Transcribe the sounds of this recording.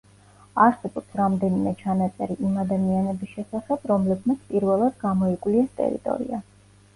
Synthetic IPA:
aɾsɛbɔpsɾamd̪ɛnimɛt͡ʃʰanat̪sʼɛɾiʔimad̪amianɛbisʃɛsaχɛbɾɔmlɛbmat̪sʰpʼiɾvɛlˠad̪ɡamɔikʼwliɛst̪ʼɛ̰ɾḭt̪ʼɔ̰ɾḭa

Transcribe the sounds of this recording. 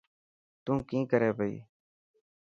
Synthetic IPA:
t̪ũːkĩːkəɾɛːbʱəḭː

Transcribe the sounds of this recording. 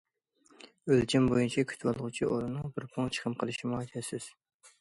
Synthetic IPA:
ølt͡ʃʰɛmbojunt͡ʃʰɛkʲʰy̥t̪ʰwɑlˠʁʊt͡ʃʰiʔoɾɨnɨŋbɪɾpʰʊŋt͡ʃʰə̥χʰəmqʰəlˠɨʃimuɑjt̪ʰɛsɪz̥

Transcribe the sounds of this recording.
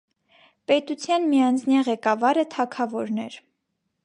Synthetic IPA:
pɛt̪ut͡sʰjɑnmijɑnt͡sʰnjɑʁɛkɑvɑɾət̪ʰɑkʰɑvɔɾnɛɾ

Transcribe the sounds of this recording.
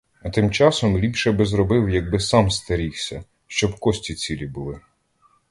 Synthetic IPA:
ɐt̪ɪmt͡ʃɑsɔmlʲipʃɛbɛzɾɔbɪwjɐɡ̚bɪsɑmst̪ɐɾʲiwsʲɐ | ʃt͡ʃɔbkɔsʲtʲit͡sʲilʲibʊlˠɪ

